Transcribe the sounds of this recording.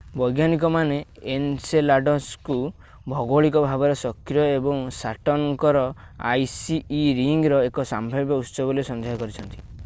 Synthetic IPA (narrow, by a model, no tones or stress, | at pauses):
bɔjɡanik̬ɔmaneenselaɖɔsku | bʱɔɡoɭikɔbʱabɔɾɔsɔkɾjɔebɔŋsaʈɔŋɔŋkɔɾɔ | a̰jsiːɾiŋɡɾɔekɔsambʱɔbjɔut̪sɔbɔlesɔnd̪ʱeɦɔkɔɾit͡ʃʰɔnt̪i̥